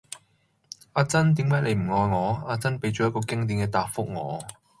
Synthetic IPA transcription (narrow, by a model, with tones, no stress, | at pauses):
ʔaː˧t͡sɐ˥nt̪iː˨˥mɛː˨˥le˨˧jm̩˨˩ŋɔː˨˧jŋɔː˨˧aː˧t͡sɐ˥npe˨˧˥jt͡ʃɔː˨˩jɐ˥t̚kɔː˧kɪ˥ŋt̪i˨˧˥nkɛː˧t̪aː˨˧k̚fʊ˥k̚ŋɔː˨˧